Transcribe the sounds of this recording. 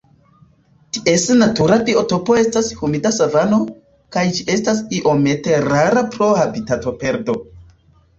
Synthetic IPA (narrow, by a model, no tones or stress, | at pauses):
tiʔe̞snatuɾapioto̞po̞e̞stashumidasavano̞ | kajd͡ʒiʔe̞stas̬iʔo̞me̞te̞ɾaɾapɾo̞habitato̞pe̞ɾdo̞